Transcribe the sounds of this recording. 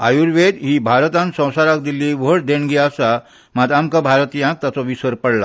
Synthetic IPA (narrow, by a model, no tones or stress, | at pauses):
ajuɾʋed̪ɦiːbʱaɾt̪ãnsə̃w̃saɾak̚d̪ilːiʋəɽd̪eɳɡiasa | mad̪amkabʱaɾt̪ijãk̚t̪jat͡sɔʋisəɾpəɽla̰